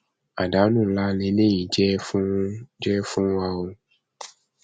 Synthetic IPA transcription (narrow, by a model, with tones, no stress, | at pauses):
a̰˨ɖa˨˦nũ˦˨la˦nẽ˨nẽ˦jĩ˨d͡ʒɛ˦fũ˦d͡ʒɛ˦fũ˦a˨wo˦